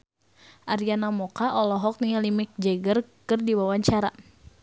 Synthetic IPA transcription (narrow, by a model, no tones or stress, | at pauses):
ʔaɾjanamɔkaʔɔlɔɦɔk̚nialimɪk̚d͡ʒɛɡərkɨrdiwawaɲt͡ʃaɾa̰